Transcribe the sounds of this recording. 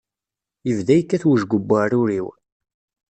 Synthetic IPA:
jəvðæjəkːæθwəʒɡʷəbːarʊɾiw

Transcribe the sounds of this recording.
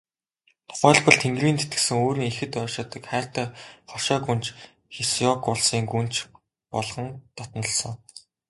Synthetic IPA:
t̪ʰʊ̥χæːɮpɞ̆ɮt̪ʰeŋɡriːnt̪ʰet̪ɡɘ̥̆sɘ̆ŋoːɾiːŋexɘ̆t̪œːʃɔːt̪ə̆kχæːr̥t̪æːχɔʃɔːɡunt͡ɕ | xesjɔkʊɮsiːŋɡunt͡ɕ | pɔɮχɞ̆nt̪ʰɔt̪nɞ̆ɮsɞ̆ŋ

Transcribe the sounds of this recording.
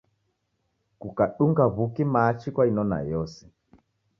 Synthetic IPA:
kukaɗuŋɡaβukimaːt͡ʃikwainɔna̰jɔsɛ̥

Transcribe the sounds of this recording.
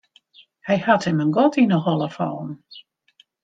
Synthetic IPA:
hɛjhathəmənɡɔtinəhɔlˠəfɔ̰ːn

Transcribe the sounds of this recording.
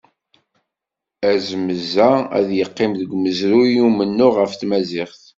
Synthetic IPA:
æzəməzææ̰ðjəqːɪmðəɡməzɾujumənːʊʁəfθmæzɪχθ

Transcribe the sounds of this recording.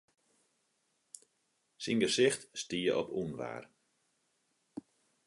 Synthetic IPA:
sinɡəsɪxtstiəʔɔpʰunʋa̰ːr

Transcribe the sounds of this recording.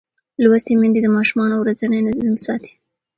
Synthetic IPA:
lwast̪emand̪id̪əmɑʃumɑnowɾad͡zanəjnazimsɑt̪i̥

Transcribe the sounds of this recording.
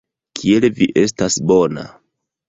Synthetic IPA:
kʰielviʔe̞s̬tasbo̞na̰

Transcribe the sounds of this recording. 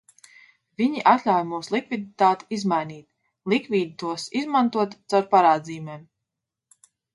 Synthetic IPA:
vʲiɲiʔat̪lʲawjmuːslˠikvʲid̪it̪aːt̪i̥izmajniːt̪ | lˠikviːd̪it̪uɔsizmant̪uɔt̪t̪sawɾpaɾaːd̪ziːjumʲeːm

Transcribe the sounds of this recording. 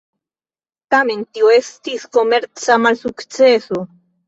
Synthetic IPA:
tame̞ntioe̞stisko̞me̞ɾt͡samalsukt͡se̞so̞

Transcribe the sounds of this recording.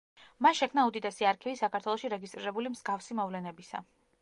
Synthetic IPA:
masʃɛkʰmnaud̪it̪ʼɛsiaɾkʰivisakʰaɾt̪ʰwɛlˠɔʃiɾɛɡist̪ʼɾiɾɛbulimz̥ɡafsimɔvlɛnɛbisa̰

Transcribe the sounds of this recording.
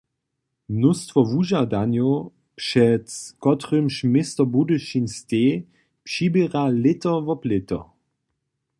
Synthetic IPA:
mnʊstvɔvuʒadanjo | pʂɛtkɔtʁʏmʃmɪstɐbudɪʃinsteː | pʃibeʁalɪtɐvɔplɪtɐ̰

